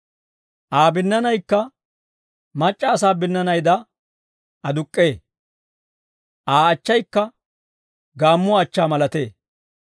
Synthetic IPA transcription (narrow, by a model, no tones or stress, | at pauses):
ʔaːbɪnːɐnɐjkːɐ | mɐt͡ʃʼːɐːsaːbɪnːɐnɐjd̪ɐ | ɐd̪ʊkʼːeː | ʔaːɐt͡ʃːɐjkːɐ | ɡaːmːʊɐt͡ʃːaːmɐlɐt̪e̞ː